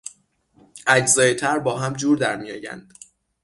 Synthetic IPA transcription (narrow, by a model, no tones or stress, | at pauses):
ʔæd͡ʒzɒːjet̪ʰæɾbɒːɦæmd͡ʒuːɾd̪æɾmijɒːjæ̰nd̪̥